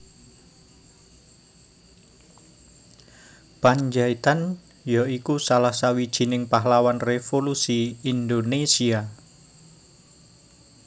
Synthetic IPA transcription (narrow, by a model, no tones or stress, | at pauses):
paɲd͡ʒait̪an | jɔikusalahsawid̥ʒ̥i̤nɪŋpaɦlawanrefolusiːnd̪onesia